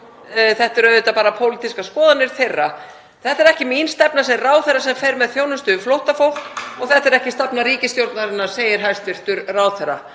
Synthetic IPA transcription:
θɛht̪ɪɾœðɪt̪apaːɾapʰowlit̪iskaskɔːðanːɪɾ̥θejrːa | θɛht̪ɛɾɛhcɪminst̪ɛpnasɛraːwθɛɾːasɛmfejɾmɛðθjoːwnʏst̪ʏflowht̪afowhkɔɣθɛht̪ɛɾɛhcɪst̪ɛpnaɾiːcɪst̪jowɾt̪naɾɪnːḁseːjɪɾɦajst̪vɪɾ̥t̪ʏɾraːwθɛɾa

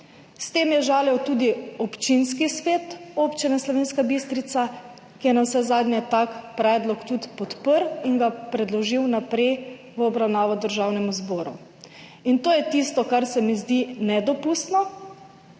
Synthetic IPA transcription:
st̪eːmjɛʒaːljɛwt̪ud̪iɔpt͡ʃinskisʋeːt̪oːpt͡ʃinɛslɔʋeːnskabist̪ɾit̪sa | kijɛnawsɛzaːd̪nʲɲɛt̪akpɾɛːd̪lɔkt̪ut̪pɔt̪pəɾiŋɡapɾɛd̪lɔʒiwnapɾɛj | ʋəɔbɾawnaːʋɔd̪əɾʒawnɛmuzboːɾṵ | int̪oːjɛt̪ist̪ɔkaɾsɛmizd̪inɛd̪ɔpust̪nɔ

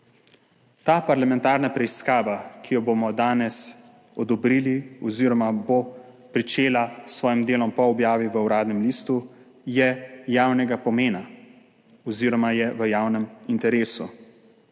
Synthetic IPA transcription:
t̪aːpaɾlamɛnt̪aːɾnapɾɛiskaːʋakʰijɔbomɔd̪aːnɛs | ɔd̪ɔbɾiːliɔziːɾɔmabo | pɾit͡ʃeːlasʋɔːjimd̪eːlɔmpɔɔbjaːʋiʋəuɾaːd̪nɛmliːst̪u | jɛjaːwnɛɡapɔmeːna | ɔziːɾɔmajɛʋəjaːwnɛmint̪ɛɾeːsu

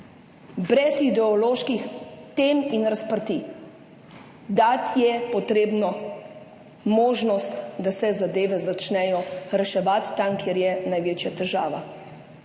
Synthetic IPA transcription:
bɾɛsid̪ɛɔloːʃkixt̪eːminɾaspəɾt̪i | d̪at̪jɛpɔt̪ɾeːbnɔ | moːʒnɔst̪d̪asɛzad̪eːʋɛzat͡ʃnɛjɔɾɛʃɛʋat̪ːamkjeɾjɛnajʋeːt͡ʃjat̪ɛʒaːʋa̰

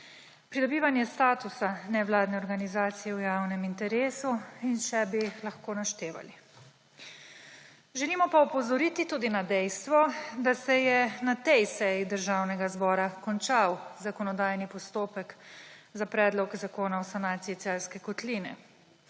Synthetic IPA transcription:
pɾid̪ɔbiːʋanjɛst̪aːt̪usanɛʋlaːd̪nɛɔɾɡanizaːt̪sijɛwjawnɛmint̪ɛɾeːsuinʃɛbilaxkoːnaʃt̪eːʋa̰li | ʒɛliːmɔpaɔpɔzɔɾiːt̪it̪uːd̪inad̪ɛjst̪ʋɔd̪asɛjɛnat̪ɛjsɛjid̪əɾʒawnɛɡazbɔːɾakɔnt͡ʃawzakɔnɔd̪aːjnipɔst̪oːpɛkzapɾɛːd̪lɔkzakoːnaɔsanaːt̪siit̪sɛlskɛkɔt̪liːnɛ̰

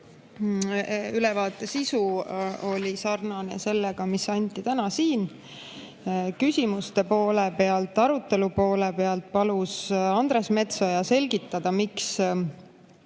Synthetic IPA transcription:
ylɛvɑːt̪ːˑe̞sisuo̞lʲisɑrnɑne̞̰se̞lːeɡ̥ɑmisɑnʲt̪ˑːit̪ænɑsiːn | kysʲimust̪e̞po̞ːlepe̞ɑlt̪ːˑɑɾut̪ːe̞lupo̞ːlepe̞ɑlt̪̚pɑlusɑnd̪̥ɾe̞sme̞t̪so̞jɑse̞lʲɡit̪ːɑd̪̥ɑmiks

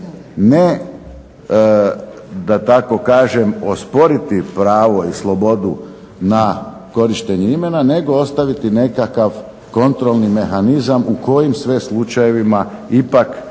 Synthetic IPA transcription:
ne | d̪at̪ako̞kaːʒe̞mo̞spo̞ɾit̪ipɾaːʋo̞islˠo̞bo̞d̪u | na | ko̞ɾiʃt̪eɲuime̞nane̞ɡo̞o̞st̪aʋit̪ine̞kakaʋ | ko̞nt̪ɾo̞lˠnime̞xanizamuko̞jimsʋe̞slˠut͡ʃajeʋima | ipak

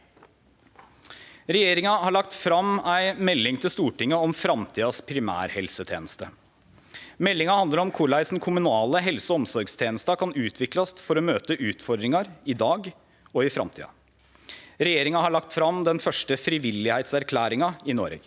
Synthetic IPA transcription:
ɾɛjeːɾɪŋɑhɑɭɑk̚t̪fɾɑmæɪmɛlːɪŋt̪ʰɪlst̪uːʈɪŋːəɔmfɾɑmt̪ʰiːɑspʰɾɪmæ̰ːɾhɛlsət̪ʰjeːnəst̪ə | mɛlːɪŋɑhɑnd̪əɾɔmkʰʊɭæɪsn̩kʰʊmʉnɑːləɦɛlsɔɔmsɔɾɡst̪ʰeːnəst̪ɑkʰɑnʉːt̪ʰʋɪklɑsfɔɾɔmøːt̪əʔʉːt̪fɔɾd̪ɾɪŋɑɾɪd̪ɑːɡ | ɔɪfɾɑ̰mt̪ʰḭːɑ̰ | ɾɛjeːɾɪŋɑhɑɭɑk̚t̪fɾɑmd̪ɛnfœʂʈəfɾɪʋɪlːɪhæɪt̪sæɾkʰlæːɾɪŋɑɪno̰ːɾə̰ɡ

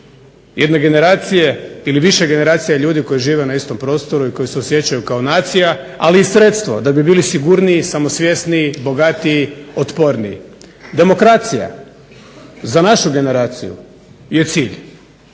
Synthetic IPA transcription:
jʔed̪ne̞ɡe̞ne̞ɾaːt̪sijeiliʋiʃeɡe̞ne̞ɾaːt̪sijaʎuːd̪iko̞jiʒiːʋe̞naist̪o̞mpɾo̞ːst̪o̞ɾuiko̞jise̞osje̞t͡ɕajukaonaːt̪sija | aliːsɾe̞t̪st̪ʋod̪abibiːlisiɡuɾniːsamo̞sʋje̞sniːbo̞ɡat̪iːot̪po̞ɾnḭḭd̪e̞mo̞kɾat̪sija̰ | zanaʃuɡe̞ne̞ɾaːt̪sḭjṵ | je̞t̪siːʎ

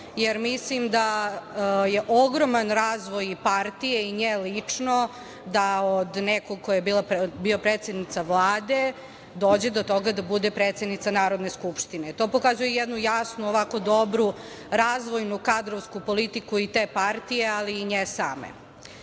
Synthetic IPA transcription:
jeɾmislimd̪a | je̞ʔoɡɾomanɾaːzʋo̞jipaɾt̪ijeiɲelit͡ʂno | d̪aod̪nekoɡ̚kojajebiːlˠabiopɾeːt̪sjed̪nit̪saʋlˠaːd̪e̞ | d̪oːd͡ʑed̪o̞t̪o̞ɡad̪abud̪epɾet̪sed̪nit̪sanaːɾo̞d̪ne̞skupʃt̪inet̪o̞pokazujejɛd̪nujasnuoʋako̞d̪obɾu | ɾazʋo̞jnukad̪ɾoʋskupolit̪ikuit̪eːpaɾt̪ijealiːɲesaːmḛ

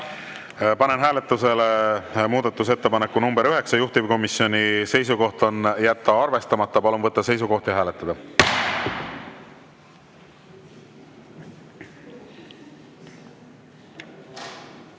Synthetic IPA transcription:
pɑnenɦæːlet̪ˑːuse̞lemuːd̪ɑt̪ːˑus̬e̞t̪ːe̞pɑnekːunumbeɾyɦe̞ksɑjuht̪ivko̞misːjo̞nise̞jsuko̞ht̪o̞njæt̪ːɑɑrve̞st̪ɑmɑt̪ːɑpɑlunvɤt̪ːɑse̞js̬uɡo̞ht̪jɑɦæːlet̪ˑːɑd̪ɑ

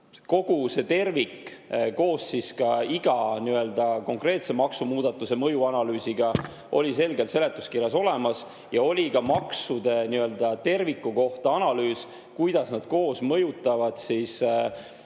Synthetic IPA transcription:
ko̞ɡ̥use̞t̪e̞rvikko̞ːsːiskɑiɡ̥ɑniø̞ld̪̥ɑko̞ŋkre̞ːt̪se̞mɑksumuːd̪̥ɑt̪ːˑuse̞mɤjuɑnɑlyːsiɡ̥ɑ | ʔo̞̰lʲise̞lɡe̞lt̪se̞le̞t̪ːˑuskirjɑso̞le̞mɑs | jɑo̞lʲikɑmɑksud̪̥e̞niø̞ld̪̥ɑt̪e̞rvikːˑuko̞ht̪ɑɑnɑlyːs | kujd̪̥ɑsnɑd̪̥ko̞ːsmɤjut̪ːˑɑvɑd̪̥sis

